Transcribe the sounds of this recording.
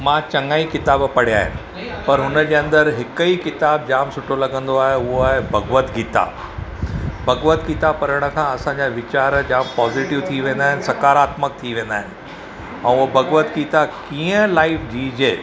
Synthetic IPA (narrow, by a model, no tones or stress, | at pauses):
mãːt͡ɕɐŋaːikɪt̪aːbpɐɽ̤ijaːɦɪ̰nɪ | pɐɾɦʊnəd͡ʑeːɐ̃nd̪əɾɦɪkəikɪt̪aːb̚d͡ʑaːmsʊʈʰolɐɡə̃nd̪oaːɦeʊɦoaːɦebʱɐɡʋət̪ɡiːt̪a̰ | bʱɐɡʋət̪ɡit̪apɐɾəɽ̃ə̆kʰãːɐsãɲd͡ʑaʋɪt͡ɕaːɾd͡ʑaːmpɔːziːʈɪʋt̪ʰiːʋẽːn̆d̪aːɦɪnɪ̆sɐkaːɾaːt̪mək̚t̪ʰiʋẽːn̆d̪aːɦɪnɪ̆ | ɛ̃ːʊobʱɐɡʋət̪ɡiːt̪akiːə̃laːɪfd͡ʑiːd͡ʑeː